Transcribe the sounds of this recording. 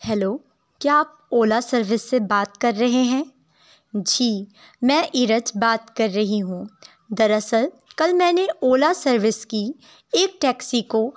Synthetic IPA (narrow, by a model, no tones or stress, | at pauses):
hɛloː | kjaːp̚ | oːlasɐɾʋɪsːebaːt̪kɐɾːɐɦeɦɛ̃ː | d͡ʒʱiː | mɛ̃ːʔɪɾəd͡ʒbaːt̪kɐɾːɐɦiɦũː | d̪ɐɾɐsəl | kɐlmɛ̃ːneoːlasɐɾʋɪski | eːk̚ʈɛːksiko